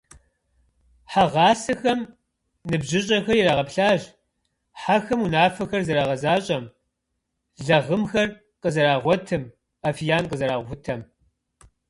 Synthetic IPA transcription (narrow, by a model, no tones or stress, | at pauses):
ħaʁɑːsɐxɐm | nɨbʑɪɕʼɐxɐrjɛɾaːʁɐpɬaːʒ | ħaxɐmunaːfɐxɐrzɐɾaːʁɐzaːɕʼɐm | ɮɐʁəmxɐr | qəzɐɾaːʁʷɔtʰɨm | afijaːnqəzɐɾaːʁʷʊtʰɐm